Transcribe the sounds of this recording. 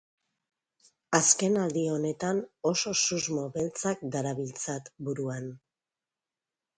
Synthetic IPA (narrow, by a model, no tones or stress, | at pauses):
aske̞nald̪io̞ne̞t̪ano̞so̞suzmo̞βe̞lt͡sak̚d̪aɾaβilt͡sat̪buɾuan